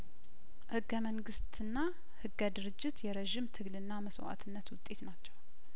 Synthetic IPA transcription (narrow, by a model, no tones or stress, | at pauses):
hɨɡːəməŋɡɨst̪ɨnːa | hɨɡːəd̪ɨɾɨd͡ʒːɪt̪jɛɾəʒɪmt̪ʰɨɡlɨnːaməswa̰t̪ʰɨnːət̪wʊt̪ʼe̞t̪nat͡ʃːɛw